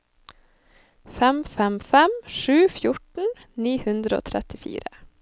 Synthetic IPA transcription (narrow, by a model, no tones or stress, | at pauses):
fɛmfɛmfɛmʃʉːfjʊʈɳ̩ | niːhʉnd̪ɾəo̰ːt̪ʰɾɛt̪ɪfḭːɾə